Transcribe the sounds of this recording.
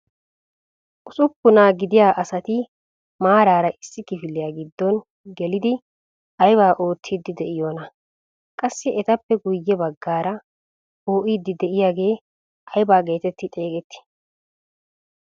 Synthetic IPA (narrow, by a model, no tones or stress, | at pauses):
ʔʊsʼʊpːʊnaːɡɪd̪ɪjaːʔɐsɐt̪ɪ | maːɾaːɾɐʔɪsːɪkɪfɪlːɪjaːɡɪd̪ːɔn | ɡɛlɪd̪ɪ | ɐjbaːʔo̞ːt̪ʰːiːd̪ːɪd̪ɛʔɪjoːnɐ | kʼɐsːɪɛt̪ɐpːɛɡʊjːɛbɐɡːaːɾɐ | oːʔiːd̪ːɪd̪ɛʔɪjaːɡe̞ː | ʔɐjbaːɡe̞ːt̪ɛt̪ːɪt̪ʼe̞ːkʼɛt̪ːɪ̥